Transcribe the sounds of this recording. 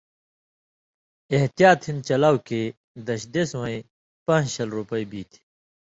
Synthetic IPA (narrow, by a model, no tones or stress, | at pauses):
eɦt̪ijaːt̪hĩnt͡ɕɐlaːwke | d̪ɐɕd̪eswɐ̃ĩ | pãːd͡ʑɕɐlɾupɐibiːt̪ʰi̥